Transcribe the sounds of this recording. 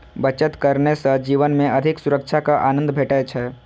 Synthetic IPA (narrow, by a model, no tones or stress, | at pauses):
bət͡ʃət̪kəɾnesəd͡ʒiːʋənmẽʔɐd̪ʱɪksʊɾəkt͡ʃʰakaʔaːnə̃nd̪bʱeːʈɛt͡ʃʰɛ